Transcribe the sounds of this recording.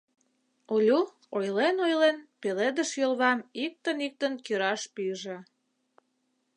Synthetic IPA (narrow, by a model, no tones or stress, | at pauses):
olʲu | ojlenojlenpeled̪əʃjølβɑmik̚t̪ənik̚t̪ə̆nkiɾɑʃpiʒĕ